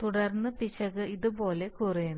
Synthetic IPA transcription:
t̪uɽɐrnːɨpit͡ɕːɐɣɨiðubo̞ːle̞kurijun

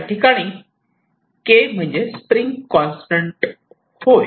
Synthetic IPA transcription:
ʈikaɽ̃iː | kem̤əɳd͡ʑespɾiŋɡkɔ̃nsʈəɳʈ | hoj

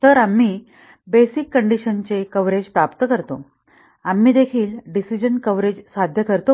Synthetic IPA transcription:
t̪əɾam̤ːiː | besikːəɳɖiɕənt͡sekəʋɾed͡ʑpɾapt̪kəɾt̪o | am̤iːd̪ekʰiːlɖisid͡ʑənkəʋɾed͡ʑsad̪ʱjəkəɾt̪o

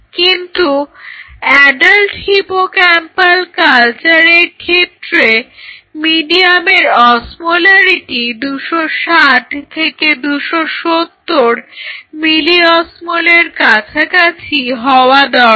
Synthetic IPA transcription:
kint̪u | ɛɖalʈhipokɛmpalkalt͡ɕaɾeɾkʰet̪ːɾemiɖiameɾɔsmolaɾiʈid̪uʃoʃaʈt̪ʰeked̪uʃoʃot̪ːoɾmiliɔsmoleɾkat͡ɕʰakat͡ɕʰiɦɔoad̪ɔ

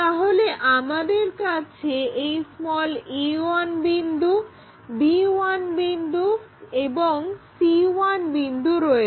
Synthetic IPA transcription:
t̪aɦoleʔamad̪eɾkat͡ɕʰeejsmɔliwanbind̪ʱu | biwanbind̪ueboŋsiwanbind̪uɾɔe

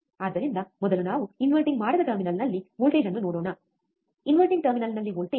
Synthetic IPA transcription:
aːd̪ːɐɾind̪ɐmɔd̪ɐlunaːʋuinʋɐlʈiŋɡmaːɽɐd̪ɐʈɐɾminɐlnɐlːiʋoːlʈeːd͡ʒɐnːunoːɽoːnɐ | inʋɐlʈiŋɡ̚ʈɐɾminɐlnɐlːiʋoːɭʈe

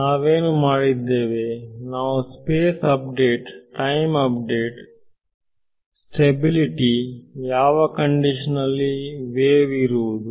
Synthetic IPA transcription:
naːʋeːnumaːɽid̪ːeːʋenaːʋuspeːsɐp̚ɖeːʈʈɐjmɐpɖeːʈ | sʈebiliʈijaːʋɐkɐɳɖiʂɐnɐlːiʋeːʋiɾuʋud̪u

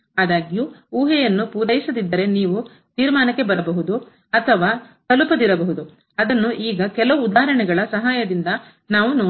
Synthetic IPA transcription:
aːd̪aːɡjuuːɦɛjɐnːupuːɾɐjisɐd̪id̪ːɐɾe̞niːʋu | t̪iːɾmaːnɐkːe̞bɐɾɐbɐɦud̪u | ɐt̪ʰɐʋaːt̪ɐlupɐd̪iɾɐbɐɦud̪u | ɐd̪ɐnːuʔiːɡɐkɛlɐʋuːd̪aːɾɐɳɛɡɐɭɐsɐɦaːjɐd̪ind̪ɐ | naːʋunoː

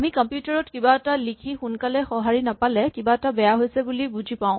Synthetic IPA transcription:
amikɔmpjutaɹɔtkibaɛtalikʰixunkalɛxɔɦaɹinapalɛkibaɛtabɛjaɦojsɛbulibuzʱipãʊ̃

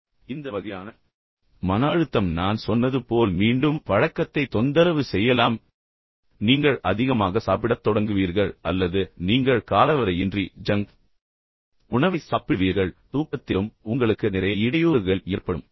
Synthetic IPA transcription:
ɪnd̪ɐʋɐɣɐjaːnɐ | mɐnaːɻɯt̪ːɐmnaːnsɔnːɐðɯpoːlmiːɳɖɯmʋɐɻɐkːɐt̪ːɐɪt̪ːɔnd̪ɐɾɐʋɯsɛjːɐlaːm | niːŋɡɐɭʔɐðɪɣɐmaːɣɐsaːp̬ɪɽɐt̪ːɔɽɐŋɡɯʋiːɾɣɐɭɐlːɐðɯniːŋɡɐɭkaːlɐʋɐɾɐɪɪndrid͡ʒɐŋ | ʊɳɐʋɐɪsaːpɪʋiːɾɣɐɭt̪uːkːɐt̪ːɪlɯmʊŋɡɐɭɯkːɯnɪɾɐjɐɪɽɐjuːɾɣɐɭeːɾpɐɽɯm

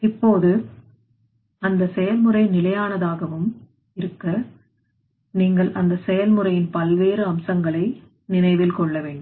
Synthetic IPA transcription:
ɪpːoːðɯ | ɐnd̪ɐsɛjɐlmɯrɐɪnɪlɐjaːnɐðaːɣɐʋɯm | ɪɾɯkːɐ | niːŋɡɐɭʔɐnd̪ɐsɛjɐlmɯɾɐjɪnpɐlʋeːɾɯɐmsɐŋɡɐɭɐɪ | nɪnɐɪʋɪlkɔɭːɐʋeːɳɖɯ

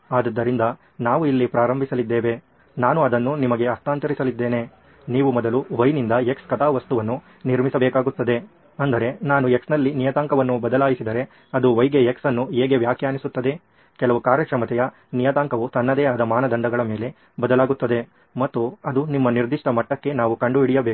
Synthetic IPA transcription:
aːd̪ɐd̪ːɐɾind̪ɐ | naːʋuilːipɾaːɾɐmbʱisɐlid̪ːeːʋe̞ | naːnuɐd̪ɐnːunimɐɡe̞ɐst̪aːnt̪ɐɾisɐlid̪ːe̞ːne̞ | niːʋumɔd̪ɐluʋɐjnind̪ɐekskɐt̪aːʋɐst̪uʋɐnːu | niɾmisɐbɛːkaːɡut̪ːɐd̪e̞ | ɐnd̪ɐɾe̞naːnueksnɐlːinijɐt̪aːŋkɐʋɐnːubɐd̪ɐlaːjisid̪ɐɾe̞ | ɐd̪uʋɐjɡeeksɐnːueːɡe̞ʋjaːkjaːnisut̪ːɐd̪e̞ | kɛlɐʋukaːɾjɐkɾɐmɐt̪ɛjɐ | nijɐt̪aːŋkɐʋut̪ɐnːɐd̪eːɐd̪ɐmaːnɐd̪ɐɳɖɐɡɐɭɐme̞ːle̞ | bɐd̪ɐlaːɡut̪ːɐd̪e̞ | mɐt̪ːuɐd̪unimːɐniɾd̪iʂʈɐmɐʈːɐkːe̞naːʋukɐɳɖuiɽijɐbeku

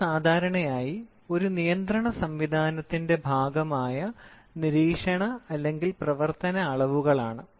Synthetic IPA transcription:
saːd̪ʱaːɾɐɳɐjaːji | o̞ɾunijɐnd̪rɐɳɐsɐmʋid̪ʱaːnɐt̪ːinde̞bʱaːɡɐmaːjɐ | niɾiːkʂɐɳɐɐlːe̞ŋɡilprɐʋɐrt̪ɐnɐːɭɐʋuɣɐɭaːɳɨ

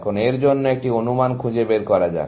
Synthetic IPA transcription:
kʰoneɾd͡ʑonːoek̚ʈionumankʰũd͡ʑebeɾkɔɾad͡ʑa̰e

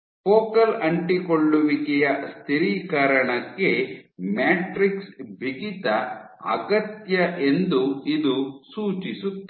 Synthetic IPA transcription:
poːkɐlɐɳʈikoɭːuʋikɛjɐst̪ʰiɾiːkaːɾɐɳɐkːemaːʈɾiksbʱiɡit̪ɐ | ɐ̰ɡɐt̪jɐʔe̞nd̪uid̪usuːt͡ʃisut̪ː

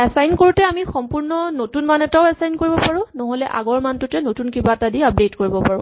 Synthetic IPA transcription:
ɛsajnkoɹutɛamixɔmpuɹnɔnotunmanɛtaʊɛsajnkoɹibɔpaɹʊ̃nɔɦolɛʔa̰ɡɔɹmantʊtɛnotunkibatadiap̚dejtkoɹibɔpaɹʊ̃

